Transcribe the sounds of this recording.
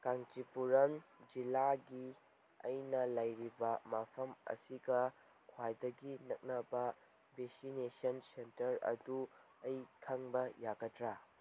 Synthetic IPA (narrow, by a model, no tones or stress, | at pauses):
kaŋtipuɾɐnd͡ʒilaɡi | ɐ̰jnɐlɐjɾibɐmapʰɐmɐ̰siɡɐ | kʰwajdɐɡinɐk̚nɐbɐ | besinesɐnsentɐɾɐ̰du | ɐjkʰɐŋbɐjaɡɐtɾa